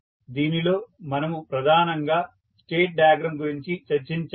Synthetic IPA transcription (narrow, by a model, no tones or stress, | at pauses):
d̪iːnilo̞ːmɐnɐmupɾɐd̪ʱaːnɐŋɡaː | sʈeːʈ̚ɖaːɡɾɐmɡuɾiɲt͡ʃit͡ʃɐɾt͡ʃiɲt͡ʃ